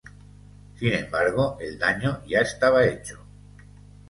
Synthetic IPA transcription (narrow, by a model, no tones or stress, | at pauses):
sinẽ̞mbaɾɣ̞oʔe̞ld̪aɲoʝaest̪aβ̞aet͡ʃo̥